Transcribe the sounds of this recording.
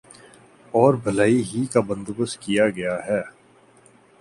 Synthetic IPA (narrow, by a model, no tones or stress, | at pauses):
ɔːɾbʱɐlaːiɦikabə̃nd̪ʊbəskijaɡɐjaɦɛː